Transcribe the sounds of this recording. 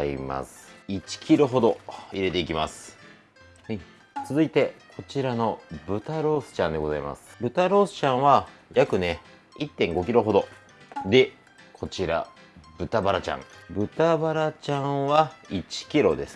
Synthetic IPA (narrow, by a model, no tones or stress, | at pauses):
ḭma̰sɨ̥it͡ɕi̥kʲiɾo̞ɦo̞d̪o̞iɾe̞t̪eikʲima̰sɨ̥ | t͡sɨzɨit̪e̞kʰo̞t͡ɕiɾano̞bɯ̟t̪aɾo̞ːsɨ̥t͡ɕãnd̪e̞ɡo̞zaima̰sɨ̥bɯ̟t̪aɾo̞ːsɨ̥t͡ɕãɰ̃βajakɯ̟ne̞ | it̪ːẽ̞ŋɡo̞k̬ʲiɾo̞ɦo̞d̪o̞ | d̪e̞ | kʰo̞t͡ɕiɾa̰ | bɯ̟t̪abaɾat͡ɕã̰ŋbɯ̟t̪abaɾat͡ɕãɰ̃βait͡ɕi̥kʲiɾo̞d̪e̞sɨ̥